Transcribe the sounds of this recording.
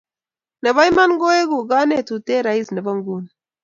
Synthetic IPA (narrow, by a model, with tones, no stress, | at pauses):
na˨βa˦i˦ma˦nɡɔ˦e˦ɡu˨ɡa˦ne˦˨tu˨te˦ɾa˨i˦sna˨ba˦ŋɡu˦˨n